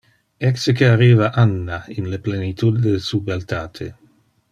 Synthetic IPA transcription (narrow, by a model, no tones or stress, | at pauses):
ɛksekeariːvaʔanːainleplenit̪ud̪delsuːbealt̪aːt̪ʰe